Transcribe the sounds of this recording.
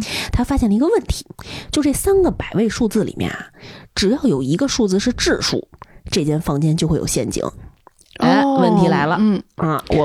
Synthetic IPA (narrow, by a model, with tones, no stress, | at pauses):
t̪ʰa˥fa˥ɕjɛ˥˩nlə˩i˧˥ɡə˧wə˥˩nt̪ʰi̥˧˥t͡ɕjʊʈ͡ʂɤ˥˩sa˥nɡə˨pa˨˩ɪwe˥˧ɪʂu˥˧t͡sɹ̩˥˩lḭ˨˩mjɛ̰˥˩nɐ˩ʈ͡ʂɻ̩˨˩jɑ˥˩ʊjo˨˩ʊi˧˥ɡə˧ʂu˥˧t͡sɹ̩˥˧ʂɻ̩˥˧ʈ͡ʂɻ̩˥˩ʂṵ˥˩ʈ͡ʂɤ˥˧˩t͡ɕjɛ˥˧nfɑ˥ŋt͡ɕjɛ˥nt͡ɕo˥˧xwe˥˩jo˨˩ʊɕjɛ˥˩nt͡ɕḭ˧˩˥ŋ˥˧˩ | wə˥˩nt̪ʰi˧˥la˧˥ɪlə˧˩ɐ˥˧wɔ˨˩